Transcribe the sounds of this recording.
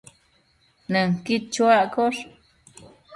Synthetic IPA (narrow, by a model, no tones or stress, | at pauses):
nɨŋkit͡ʃwakoʂ